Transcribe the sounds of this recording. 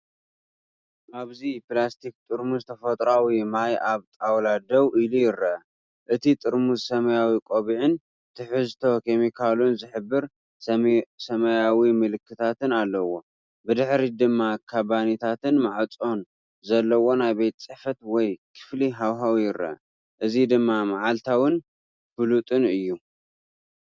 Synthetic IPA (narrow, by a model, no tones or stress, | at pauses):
ʔaβzipɨlast̪ʰik̚t̪ʼɨɾmuzt̪ʰɐfɐt̪ʼɾawimajaβt̪ʼawlad̪ɐwilujɪɾɐ | ʔɨt̪ʰit̪ʼɨɾmuzsɐmɐjawikʼoβiʕɨn | t̪ʰɨħɨzt̪ʰo̞kʰe̞mikʰalunzɨħɨbːɨɾ | sɐmɐjawimɨlɨkːɨt̪ʰat̪ɨnalːɐwo̞ | bɨd̪ɨħɾid̪ɨmːakʰabanit̪ʰat̪ɨnmaʕt͡sʼo̞n | zɐlːɐwo̞najbejt̪t͡sʼɨħfɐt̪wɔjkʰɨ̥fliɦawɦawijɪɾːɐ̰ʔɐ̰ | ʔɨzid̪ɨmːamaʕalt̪ʰawɨn | fɨlut̪ʼɨnɨjːu